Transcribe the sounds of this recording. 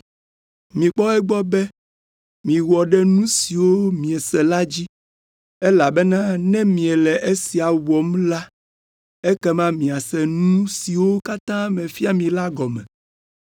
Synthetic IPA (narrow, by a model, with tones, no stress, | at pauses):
mĩ˨k͡pɔ˦ɛ˦ɡ͡bɔ˦bɛ˦ | mĩ˨wɔ˨ɖɛ˦nũ˦si˨wo˦mĩ˨ɛ˨sɛ˨la˦d͡ʑi˦ | ɛ˦la˨bɛ˦nã˦nɛ̃˦mĩ˨ɛ˨lɛ˨ʔe˦si˨a˨wɔ˨m˦la˦ | e˦kɛ˦mã˦mĩ˨a˨sɛ˨nũ˦si˨wo˦ka˦t̪ã˦mɛ̃˨fi˦a˦mĩ˨la˦ɡɔ˨mɛ̰̃˨